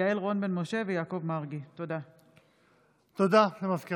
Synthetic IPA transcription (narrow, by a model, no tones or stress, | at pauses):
aelʁonbenmo̞ʃe̞vejaːko̞vmaʁɡit̪od̪a | t̪od̪aʃemafki